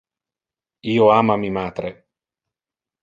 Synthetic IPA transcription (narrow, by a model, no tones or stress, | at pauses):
iːoaːmamimaːt̪ɾe